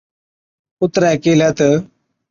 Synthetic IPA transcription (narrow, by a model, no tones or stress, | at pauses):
ʊt̪ɾakeːljat̪ə